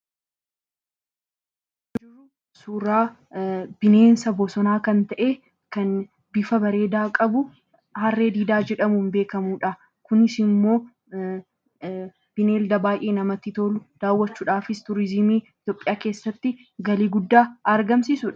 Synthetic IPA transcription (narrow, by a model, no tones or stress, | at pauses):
d͡ʒɪʊ | suːɾaː | b̥ɪne̞ːnsɐbɔsɔnaːkɐnt̪ɐʔe̞ː | kɐn | bɪfɐbɐɾe̞ːd̪aːkʼɐbʊ | hɐrːeːd̪iːd̪aːd͡ʒɛᶑɐmunbe̞ːkɐmuːᶑɐ | kʊnɪsɪmːo̞ː | b̥ɪne̞ːld̪ɐbaːjʔeːnɐmɐt̪ːɪt̪oːlʊd̪̥aːwːɐt͡ʃːuːᶑaːfɪst̪ʊɾɪzɪmiːɪt̪joːpʼːɪjaːke̞ːsːɐt̪ːɪ | ɡɐliːɡʊd̪ːaːɐɾɡɐmsɪsʊᶑɐ̥